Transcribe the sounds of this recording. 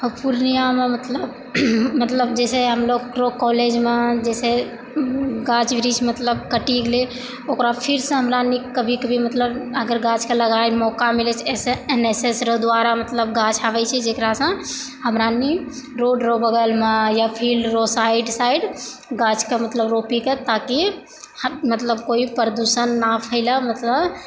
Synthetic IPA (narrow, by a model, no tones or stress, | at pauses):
puɾnijamemət̪ləb | mət̪ləbd͡ʒɛsɛɦəmloɡʈɾokɔled͡ʒmed͡ʒɛsɛ | ɡat͡ʃʋɾid͡ʒmət̪ləb̚kəʈiɡle | okɾapʰiɾsə̃ɦəmɾanikəbʱikəbʱimət̪ləbəɡəɾɡãt͡ʃkeləɡaemɔkamilɛt͡ʃʰeseenesesɾəɦd̪waɾamət̪ləb̚ɡat͡ʃʰabɛt͡ʃʰɛd͡ʒekɾasə̃ | həmɾani | ɾoɖɾobəɡəlmajapʰilɾosaiɖsaiɖɡad͡ʒkemət̪ləbɾopiket̪aki | mət̪ləbkoipɾd̪usənːapʰəɪləmət̪ləb